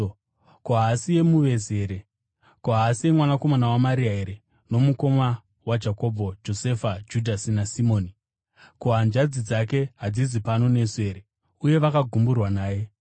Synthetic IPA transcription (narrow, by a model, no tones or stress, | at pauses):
koɦaːsije̞muʋe̞ze̞ɾe̞ | koɦaːsie̞mwanako̞manawamaɾiaeɾe | no̞muko̞ma | wad͡ʒako̞bʱo̞d͡ʒo̞se̞fad͡ʒudʱasinasimo̞ːni | koɦand͡ʒad͡zid͡zak̬e̞ɦad͡zizipano̞nese̞ːɾe | uje̞ʋakaɡʱumburwanaːje̞